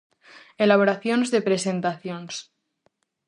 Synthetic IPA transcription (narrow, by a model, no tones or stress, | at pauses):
elaβ̞oɾaθjonzðe̞pɾese̞nt̪aθjons